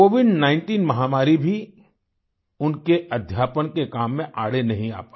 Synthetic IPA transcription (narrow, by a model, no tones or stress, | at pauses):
koːʋɪɖnãːɪ̃ɳʈiːnmɐɦaːmaːɾibʱi | ʊnkeʔɐd̪ʱjaːpənkekaːmːẽʔa̰ːɽenɐɦĩa̰ːpḁ